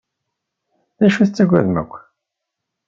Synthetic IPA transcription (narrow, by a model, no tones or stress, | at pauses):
ðæʃuθət͡sːæɡʷːæ̰ðmə̰kʷː